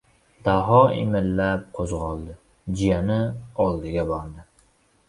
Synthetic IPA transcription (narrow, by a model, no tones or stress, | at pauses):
d̪̥aɦɒɪ̰mɪlːap̚qʰozʁɒlˠd̪ɪ | d͡ʒɪjanɪɒlˠd̪ɪɡʲabɒɾd̪ɪ